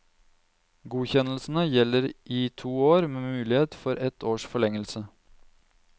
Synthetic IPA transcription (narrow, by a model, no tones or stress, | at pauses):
ɡuːçɛnəl̩sn̩əjɛlːəɾʔɪt̪ʰuːoːɾmeːmʉːlɪheːt̪fɔɾɛt̪ʰoːʂfɔɭɛŋəlsə